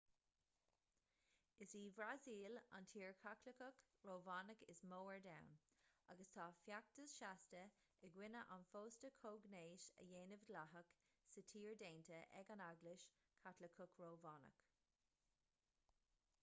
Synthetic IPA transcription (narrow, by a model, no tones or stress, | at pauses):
ɪsiːvɾaziːla̰ntʰiːɹkʰakləkək | ɹoːvɑːnəkɪsmoːəɹdawna̰ɡəst̪ʰɑːfjak̚təsʃastə | ɛɡwɪnəʔanfoːstəkʰoːɡneːʃə̰jeːnəvdlaɦək | sətʰiːɹdeːntəʔɛ̰ɡanaɡlɪʃ | kʰatləkʰʊkɹoːvɑːnə̰k